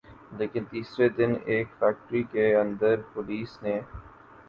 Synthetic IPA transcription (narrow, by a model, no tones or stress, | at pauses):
leːkɪnt̪iːsɾed̪ɪneːkfɛːk̚ʈɾikeɐ̃nd̪əɾpʊliːsneː